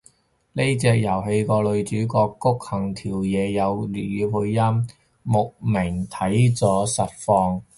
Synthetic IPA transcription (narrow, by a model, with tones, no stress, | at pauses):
ne˥jt͡sɛː˧k̚jɐ˨˩wɦe˧jkɔː˧lɵ˨˧ɥt͡ʃyː˨˥kɔː˧kːʊ˥k̚hɐ˨˩ŋt̪ʰiː˨˩wjɛː˨˧jɐ˨˧wlyː˨˩jyː˨˧wu˧jjɐ˥mː | ʊ˨k̚mɪ˨˩ŋt̪ʰɐ˨˥jt͡sɔː˨˥sɐ˨t̚fɔː˧ŋ